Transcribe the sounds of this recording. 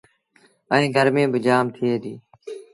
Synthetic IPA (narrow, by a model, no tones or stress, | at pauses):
əĩːɡʱəɾmẽːbɪd͡ʒaːmt̪ʰɪeːd̪iː